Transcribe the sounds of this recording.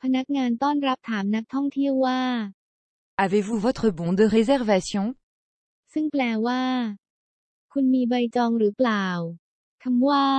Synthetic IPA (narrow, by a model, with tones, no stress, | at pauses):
pʰa˧na˦˥k̚ŋaː˧nt̪ɔː˥˩nɾa˦˥p̚t̪ʰaː˩˦mna˦˥k̚t̪ʰɔ˥˩ŋt̪ʰi˥˩əwːaː˥˩ | avevuvɔt̪χəbɔ̃˦d̪əʁezɛʁvasjɔ̃ | sɯ˥˩ŋplɛː˧waː˥˩ | kʰu˧nmiː˧ba˧jt͡ɕɔː˧ŋɾɯː˩˦plaː˨˩w | kʰa˧mwaː˥˩